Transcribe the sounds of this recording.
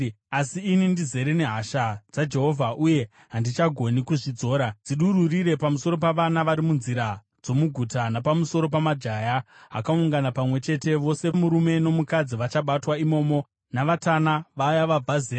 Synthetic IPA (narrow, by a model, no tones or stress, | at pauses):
asiːnindize̞ɾene̞ɦaʃad͡zad͡ʒe̞ɦo̞vʱaʔuje̞ | ɦandit͡ʃaɡʱo̞nikuʐid͡zo̞ːɾad͡ziɗuɾuriɾe̞pamuso̞ɾo̞p̬aʋanaʋaɾimunziɾa | d͡zo̞muɡʱutanapamuso̞ɾo̞p̬amad͡ʒajaɦa̰kauŋɡanapamwe̞t͡ʃe̞te̞ʋo̞se̞muɾume̞no̞mukad͡ziʋat͡ʃaɓatwaimo̞ːmo̞ | naʋatanaʋajaʋab͡vʱazeː